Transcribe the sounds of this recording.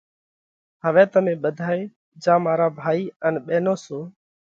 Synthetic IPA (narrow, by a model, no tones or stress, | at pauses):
ɦəʋɛ̃ːt̪əmẽːɓəd̪ʱaːeː | d͡ʒãːmaːɾaːbʱaːiːənɓeːnoːsoː